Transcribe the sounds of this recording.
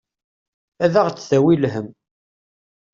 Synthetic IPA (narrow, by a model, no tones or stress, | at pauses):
æðæʁt͡sːθæwilɦəm